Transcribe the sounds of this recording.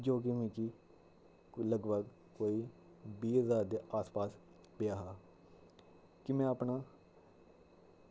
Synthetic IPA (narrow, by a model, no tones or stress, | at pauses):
d͡ʒoːk̬ɪmĩːkiː | ləɡbəɡ | koːiː | biːəzaːɾd̪eːʔaːspaːs | pɪjaːɦaː | kɪmɛ̃ːəpnaː